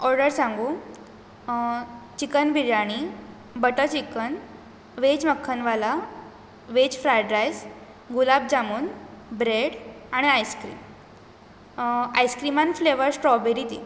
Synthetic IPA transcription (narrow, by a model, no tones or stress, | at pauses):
ɔɾɖəɾsãŋɡu | t͡ɕikənbʱiɾjaɽ̃i | bəʈət͡ɕikən | ʋed͡ʑməkʰːənʋala | ʋet͡ɕfɾajɖɾajs | ɡulab̚d͡ʑamuːnbɾeɽaɽ̃iajskɾḭːm | ajskɾimanfleʋəɾsʈɾɔbeɾit̪ḭː